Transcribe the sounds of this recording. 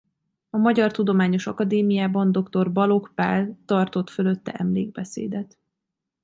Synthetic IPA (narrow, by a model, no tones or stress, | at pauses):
ɒmɒɟɒrt̪ud̪o̞maːɲo̞ʃɒkɒd̪eːmijaːbɒnd̪o̞kt̪o̞rbɒlo̞kpa̰ːlt̪ɒrt̪o̞t̪følø̞t̪ːɛ̰ʔɛmleːɡ̚bɛsḛːd̪ɛt̪